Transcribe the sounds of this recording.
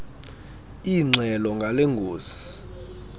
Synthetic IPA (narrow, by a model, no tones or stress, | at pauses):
iŋ͡ǀɛlɔŋɡʱaleŋɡʱoːzi̥